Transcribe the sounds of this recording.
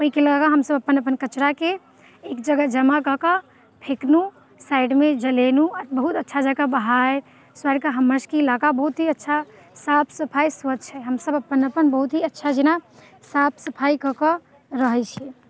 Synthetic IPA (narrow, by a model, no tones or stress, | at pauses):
oɦikeləɡaɡaɦəmsəbəpːənəpənkət͡ʃɾakeː | kd͡ʒəɡad͡ʒəmakɔkə | pʰeknu | sajɖmed͡ʒəlenuət̪bəɦut̪ətːʃʰad͡ʒəɡabəɦaj | swaɾkəɦəmːəɾskelaɡabəɦut̪ɦiətːʃʰa | sapʰsəpʰajswəd͡ʒt͡ʃʰɛɦəmsəbəpːənəpənbəɦut̪ɦiətːʃʰad͡ʒina | sapʰsəpʰajkɔkə | ɾəɦɛjt͡ʃʰie